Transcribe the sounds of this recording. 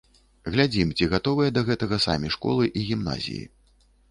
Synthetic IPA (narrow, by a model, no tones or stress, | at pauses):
ɣlʲad͡zʲimt͡sʲiɣat̪ɔvɨjɛd̪ɐɣɛt̪ɐɣɐsa̰mʲiʂkɔ̰lˠɨʔiɣʲimna̰zʲḭjḭ